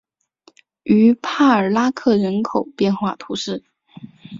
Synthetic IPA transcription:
y˧˥pʰa˥˩ə˞˨˩la˥kʰɤ˥˩ɻə˧˥nkʰo˨˩ʊpjɛ˥˧nxwa˥˩t̪ʰu˧˥ʂɻ̩˥˩

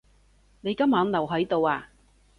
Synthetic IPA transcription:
ne˨˧jkɐ˥mːaː˨˥nlɐ˨˩wɦɐ˨˥jt̪o˨waː˧

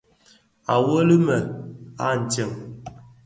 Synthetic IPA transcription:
a˨wə˦li˦mɛ˨a̰˦˨n̩˨tɛ˦˨m

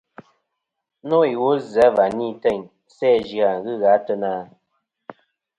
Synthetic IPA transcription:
no˦i˨wo˦zɛ˨˦va˨ni˦tɛ˦˨ɲ | sɛː˦˨ʒɰa˨ŋ˨ɣɨ˦ɣa˨˦tə˦naː˦˨

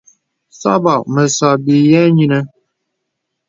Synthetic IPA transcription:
sa̰˦ba˨ʔmə˨sa˨bi˨jɛ˦ɲi˦nə˦

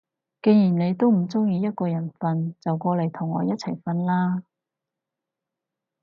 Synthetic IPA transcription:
ke˧jiː˨˩nne˨˧jt̪o˥wm̩˨˩t͡sʊ˥ŋjiː˧jɐ˥t̚kɔː˧jɐ˨˩nfɐ˧nt͡sɐ˨wkɔː˧le˨˩jt̪ʰʊ˨˩ŋɔ̰ː˨˧jɐ˥t̚t͡sʰɐ˨˩jfɐ˧nlaː˥

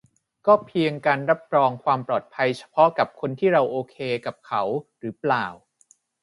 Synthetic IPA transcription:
kɔː˥˩pʰi˧əŋkaː˧nɾa˦˥p̚ɾɔː˧ŋkʰwaː˧mpɾɔː˨˩t̪̚pʰa˧jt͡ɕʰḁ˧pʰɔ˦˥ka˨˩p̚kʰo˧nt̪ʰiː˥˩ɾa˧wʔoː˧kʰeː˧ka˨˩p̚kʰa˩˦˥wɾɯː˩˦plaː˨˩w

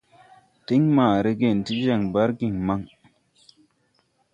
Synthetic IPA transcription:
ti˦ŋmaː˨ɾe˦ɡe˨nti˦d͡ʒa˦˨ŋba˦ɾɡi˨ŋma˦ŋ

